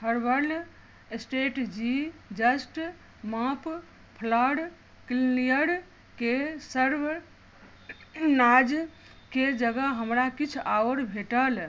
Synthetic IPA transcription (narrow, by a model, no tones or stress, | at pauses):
əɾbəɾl | esʈeʈd͡ʒid͡ʒəsʈ | mãp | pʰləɽ | killijəɽ | kesəɾb | nad͡ʒ | ked͡ʒəɡəɦəmɾakit͡ʃʰawɾbʱeʈəl